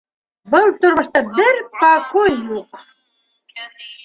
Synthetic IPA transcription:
bɤlˠt̪oɾmə̆ʃt̪ɑbɘ̆ɾpɑkojːuq

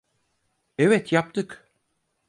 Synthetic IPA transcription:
ɛvɛt̪ʰjap̚t̪ʰɯk

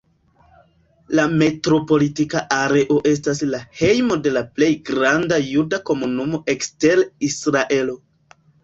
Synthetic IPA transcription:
lame̞tɾo̞po̞litikaʔaɾe̞ʔo̞ʔe̞s̬taslahe̞jmo̞de̞laple̞jɡɾandajudako̞munumo̞ʔe̞kste̞ɾisɾaʔe̞lo̞

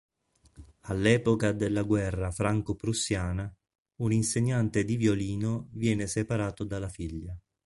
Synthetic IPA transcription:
alːɛːpokad̪elːaɡwɛrːafɾaŋkopɾusːjaːna | uninseɲːant̪ed̪ivjoliːnovjɛːnesepaɾaːt̪od̪alːafiʎːa

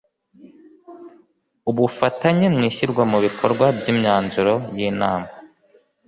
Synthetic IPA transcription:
uβufataɲemŋiːçiɾɡwamuβikʰoɾɡwabɟiːmɲaːnzuɾo̞jiːnaːma

